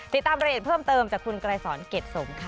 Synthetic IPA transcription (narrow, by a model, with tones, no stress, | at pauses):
t̪i˨˩t̪ːaː˧mɾaː˧eː˨˩t̚pʰɤː˥˩mt̪ɤː˧mt͡ɕaː˨˩kʰu˧nkɾaː˧jsɔː˩˦nke˨˩t̪̚so˨˩˦mkʰa˧